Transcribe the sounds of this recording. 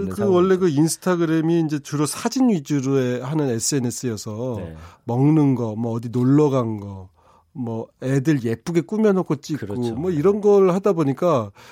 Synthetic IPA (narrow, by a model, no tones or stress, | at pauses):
kɯwʌɭːe̞ɡɯinsʰɯ̥tʰaɡɯɾe̞miːnd͡ʑe̞t͡ɕuɾosʰad͡ʑinɥid͡ʑuɾue̞hanɯne̞s͈ʰɯe̞ne̞s͈ʰɯjʌsʰʌmʌŋnɯnɡʌmwʌːdinoɭːʌɡanɡʌ | mʌe̞dɯɭje̞p͈uɡe̞k͈umjʌnokʰot͡ɕ͈ikk͈omwʌiɾʌnɡʌɾɭhadaboɲik͈a